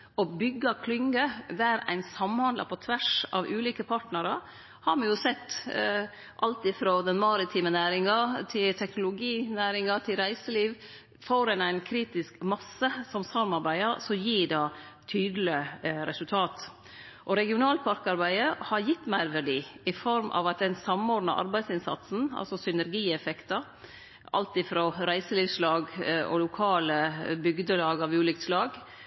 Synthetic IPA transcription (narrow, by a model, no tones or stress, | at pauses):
ɔbʏɡːɑkʰlʏŋɡəd̪æɾæ̰ɪnsɑmhɑnd̪lɑ̰pʰɔt̪ʰʋæʂɑ̰ʋʔʉːliːkəpʰɑʈnəɾə | hɑɾmɑjʊsɛt̪ː | ʔɑlt̪ɪfɾoːd̪ɛnmɑɾɪt̪ʰiːmənæːɾɪŋɑt̪ʰɪlt̪ʰɛknʊlʊɡiːnæːɾɪŋɑt̪ʰɪlɾæɪsəliːʋ | foːɾɛnæɪnkʰɾiːt̪ɪskmɑsəsɔmsɑɾmɑɾbæɪɑɾsɔjiːɖɑːt̪ʰyːd̪l̩ɪɾɛsʉlt̪ʰɑːt̪ | ʔɔɾɛɡɪʊnɑːlpʰɑɾkɑɾbæɪəhɑɾjɪt̪ːmæɪɾʋæɖiːɪfɔɾmʔɑ̰ʋɑt̪̚d̪ɛnsɑmoːɖnɑ̰ʔɑ̰ɾbæɪsɪnsɑ̰t̪sn̩ɑ̰lsɔsʏnəɾɡiːɛfɛkt̪ɑ | ɑ̰lt̪ɪfɾɔɾæɪsəliːʋslɑːɡʔɔ̰lʊkʰɑːləbʏɡd̪əlɑːɡɑʋʉːlʏkt̪slɑːɡ